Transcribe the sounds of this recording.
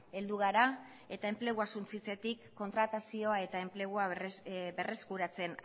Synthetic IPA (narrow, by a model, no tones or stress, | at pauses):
e̞ld̪uɣ̞aɾa | e̞t̪ae̞mple̞ɣ̞uasunt͡sit͡se̞t̪ikːo̞nt̪ɾat̪asio̞ae̞t̪ae̞mple̞ɣ̞uabe̞re̞skuɾat͡se̞n